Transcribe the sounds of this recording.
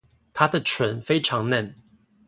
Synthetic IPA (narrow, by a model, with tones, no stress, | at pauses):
t̪ʰa˥d̪ə˨ʈ͡ʂʰwə˨˥nfe˥ɪʈ͡ʂʰɑ˧˥ŋna˥˩n